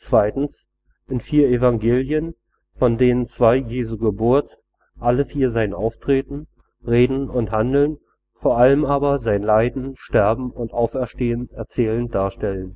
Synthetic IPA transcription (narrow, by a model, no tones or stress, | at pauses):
t͡sv̥aɪtn̩s | ʔɪnfiːɐevaŋɡeːljən | fɔndeːnənt͡sv̥aɪjeːzuːɡəbʊɐt | ʔaləfiːɐzaɪənʔa̰ʊftʁ̥eːtn̩ | ʁeːdn̩ʊnthandl̩n | foːɐʔaləmʔaːbɐzaɪənlaɪdn̩ʃtɛɐbm̩ʊntʔaʊfɛɐʃteːənɛɐt͡sɛːlənd̥aːɐʃtɛlən